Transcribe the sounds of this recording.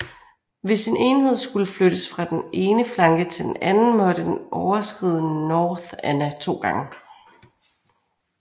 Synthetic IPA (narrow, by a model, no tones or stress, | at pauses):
ʋe̝sine̝ːnhe̝ð̞̰ˠsɡ̥uləfløɾ̥əsfʁɑ̈d̥enʔe̝ːnəflɑ̈ŋɡ̥ət͡sʰe̝d̥enʔænn̩mɒ̽ɾ̥əd̥enʔɒʊɐsɡ̥ʁiːðˠnnɒːðænæt͡sʰo̝̰ːɡ̥ɑ̈ŋə